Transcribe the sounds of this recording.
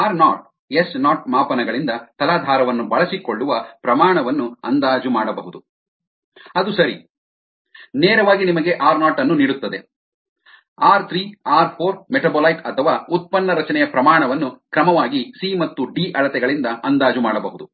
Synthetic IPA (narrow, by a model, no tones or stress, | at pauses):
aːɾnaːʈ̚ | esnaːʈ̚maːpɐnɐɡɐɭind̪ɐt̪ɐlaːd̪ʱaːɾɐʋɐnːubɐɭɐsiko̞ɭːuʋɐpɾɐmaːɳɐʋɐnːuɐ̰nd̪aːd͡ʒumaːɽɐbɐɦud̪u | ɐd̪usɐɾi | neːɾɐʋaːɡinimɐɡe̞ʔaːɾnaːʈɐnːuniːɽut̪ːɐd̪e̞ | aːɾt̪ʰɾiːaːɾpʰoːɾmeʈɐboːlɐjʈɐt̪ʰɐʋaːut̪̚pɐnːɐɾɐt͡ʃɐnɛjɐpɾɐmaːɳɐʋɐnːukɾɐmɐʋaːɡisimɐt̪ːuɖiːʔɐɭɐt̪ɛɡɐɭind̪ɐʔɐnd̪aːd͡ʒumaːɽɐbɐɦud̪u